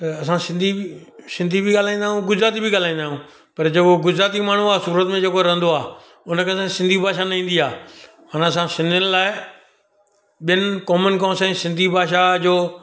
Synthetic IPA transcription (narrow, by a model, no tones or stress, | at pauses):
t̪ɐɐsãsɪ̃nd̪ʱisɪ̃nd̪ʱibʱiɡaːl̤aːĩnd̪aːɦũɡʊzɾaːt̪̬ibʱiɡaːl̤aːĩːnd̪aːɦũː | pɐɾd͡ʑekoɡʊzɾaːt̪imaːɳ̤uaːsuːɾət̪mẽd͡ʑeːkoɾɐ̃nd̪oaː | ʊnəkʰeɐsãksɪ̃nd̪ʱibʱaːʃanɐĩːn̆d̪iaː | ɦanɐsãsɪ̃nd̪ʱɪnɪlaːɪ | ɓɪjənɪkɔːmənkɔ̃ːnsẽsɪ̃nd̪ʱibʱaːʃad͡ʑoː